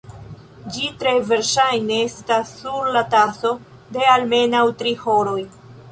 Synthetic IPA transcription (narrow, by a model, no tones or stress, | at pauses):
d͡ʒitɾe̞ve̞ɾʃajneestasːuɾlataso̞ | de̞alme̞nawtɾiho̞ɾo̞j